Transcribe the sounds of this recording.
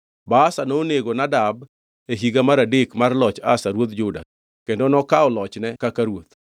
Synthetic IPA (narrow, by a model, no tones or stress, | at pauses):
basanoneɡonadab | eɦiɡamaɾadekmarlɔt͡ʃa̰saɾwot̪d͡ʒʊda̰ | kendonɔkaɔlɔt͡ʃnɛkakaɾwot̪̚